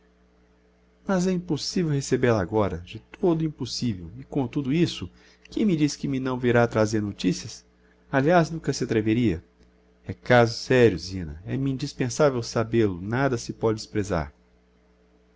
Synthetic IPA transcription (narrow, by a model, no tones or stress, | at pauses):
mɐzɛĩposivewhesebelaɡɔɾɐd͡ʒɪt̪ʰod̪ʊĩposivewɪkõt̪ud̪ʊisʊ | kẽj̃mɪd͡ʒiskɪmɪnɐ̃w̃viɾat̪ɾazeɾnot͡ʃisiɐs | aliaznũkɐsɪat̪ɾeveɾiɐ | ɛkazʊsɛɾjʊzĩnɐ̰ɛmĩnd͡ʒispẽsavewsabelʊnad̪ɐsɪpɔd͡ʒɪɪspɾeza̰ɾ